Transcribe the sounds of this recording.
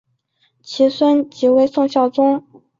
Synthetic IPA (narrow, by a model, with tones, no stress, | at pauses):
t͡ɕʰi˧˥swə˥nt͡ɕi˧˥we˧˥ɪsʊ˥˧ŋɕjɑ˥˩ʊt͡sʊ˥ŋ